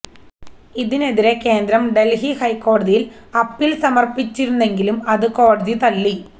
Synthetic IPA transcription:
iðine̞ðiɾe̞keːnd̪ɾɐmɖe̞lɦihɐjkːo̞ːɽɐðijilɐpːilsɐmɐrpit͡ɕːiɾunːe̞ŋɡilumɐðɨko̞ːɽɐðit̪ɐlːi

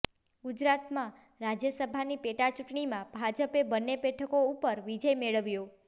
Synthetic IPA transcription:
ɡud͡ʒɾat̪mã | ɾad͡ʒjəsəbʱanipeʈat͡ʃuʈɳimãbʱad͡ʒəpebənːebɛʈʰəkoupəɾʋid͡ʒəjmeɭəʋjo

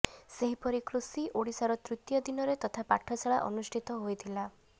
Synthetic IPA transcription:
seɦipɔɾikɾusiʔoɽisaɾɔt̪ɾut̪jɔd̪inɔɾet̪ɔt̪ʰapaʈʰɔsʰaɭaʔɔ̰nusʈʰit̪ɔɦojt̪ʰila

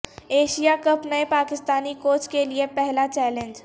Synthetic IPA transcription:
eːʃijakɐpnɐepaːkɪst̪aːnikoːt͡ʃkeliepɛɦlat͡ʃɛːlẽnd͡ʒ

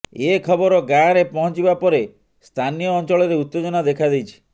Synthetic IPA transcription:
ekʰɔbɔɾɔɡaɾepɔɦɔ̃t͡ʃibapɔɾe | st̪ʰanijɔːnt͡ʃɔɭɔɾeut̪ːed͡ʒɔnad̪ekʰad̪ejt͡ʃʰi̥

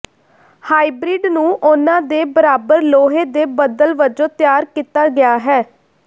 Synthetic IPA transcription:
haːiːbɾiːɖnũːʔʊnãːd̪eːbəɾaːbəɾloːɦeːd̪eːbəd̪əlʋəd͡ʒõːt̪ɪjaːɾkiːt̪aːɡɪjaːɦɛː

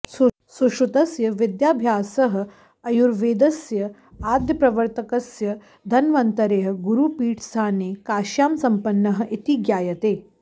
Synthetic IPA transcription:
suʃut̪ɐsjɐʋɪd̪jaːbʱjaːsɐɦɐ̆ | ɐjuɾʋeːd̪ɐsjɐ | aːd̪jɐpɾɐʋɐɾt̪ɐkɐsjɐ | d̪ʱɐnʋɐnt̪ɐɾeːɦɐ̆ɡuɾupiːʈʰsaːneːkaːʃjaːmsɐmpɐnːɐɦɐ̆ʔit̪iɡjaːjɐt̪eː

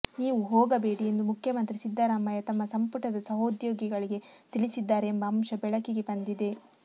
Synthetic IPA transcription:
niːʋuɦɔːɡɐbe̞ːɽiend̪umukʰjɐmɐnt̪ɾisid̪ːɐɾaːmɐjɐt̪ɐmːɐsɐmpuʈɐd̪ɐsɐɦoːd̪joːɡiɡɐɭiɡe̞t̪iɭisid̪ːaːɾeːmbɐɐmʃɐbɛɭɐkiɡe̞bɐnd̪id̪e̞

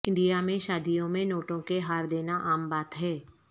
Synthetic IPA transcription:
ɪ̃ɳɖijamẽʃaːd̪ijõmẽnoːʈõkeɦaːɾd̪eːnaʔaːmbaːt̪ɦɛː

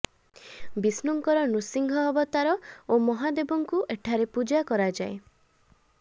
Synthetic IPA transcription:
bisnuŋkɔɾɔnusiŋɡʱɔːbɔt̪aɾɔomɔɦad̪ebɔŋkuʔeʈʰaɾepud͡ʒakɔɾad͡ʒae

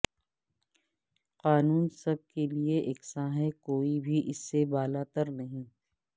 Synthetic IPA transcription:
qaːnuːnsɐb̚kelieʔeːksaːɦekoːibʱiʔɪsːebaːlaːt̪əɾnɐɦĩː

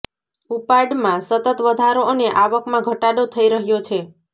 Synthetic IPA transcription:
upaɖmãsət̪ət̪ʋəd̪ʱaɾoəneʔaʋəkmãɡʱəʈaɗot̪ʰəiɾəɦjot͡ʃʰe

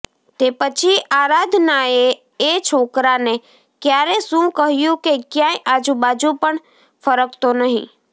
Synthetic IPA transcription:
t̪eːpət͡ʃʰiaːɾaːd̪ʱnae | et͡ʃʰoːkɾanẽ | kjaːɾesũkəɦɪjũkekjãːeʔaːd͡ʒubaːd͡ʒũpəɳ | fʰəɾəkt̪onəɦḭ̃

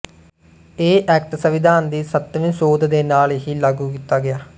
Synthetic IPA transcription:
eːʔɛːk̚ʈsəʋɪd̪ʱaːnd̪iːsət̪ʋɪ̃nsoːd̪d̪eːnaːleɦiːlaɡuːkiːt̪aːɡɪjaː

